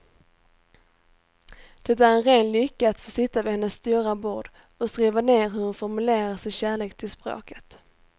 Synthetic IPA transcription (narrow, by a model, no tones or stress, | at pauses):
d̪̥ɛt̪æɾɛnɾeːnlʏkːaːt̪foːsɪt̪ːavɪhɛnːəsːt̪uːɾabuːɖ | ɔskɾiːvaneːɾɦɵɾhʊnfɔɾmɵleːɾasɪnɕæːɭeːk̚t̪ʰɪlspɾo̰ːkə̥t̪